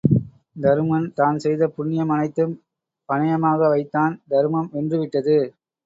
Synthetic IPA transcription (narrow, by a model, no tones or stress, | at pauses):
d̪ɐɾɯmɐnt̪aːnsɛjðɐpʊɳːɪjɐmɐnɐɪt̪ːɯm | pɐnɐjɐmaːɣɐʋɐɪt̪ːaːnd̪ɐɾɯmɐmɛndrɯʋɪʈːɐðɯ